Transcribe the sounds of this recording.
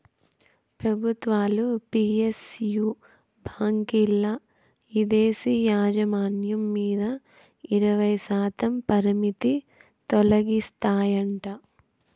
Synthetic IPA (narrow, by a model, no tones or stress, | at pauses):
pɾɐbʱut̪ʋaːlupiːesjuː | bʱaːŋkilːɐ | id̪eːsijaːd͡ʒɐmaːnjɐmːiːd̪ɐ | iɾɐʋɐjsaːt̪ɐmpɐɾimit̪i | t̪ɔlɐɡist̪aːjɐɳʈa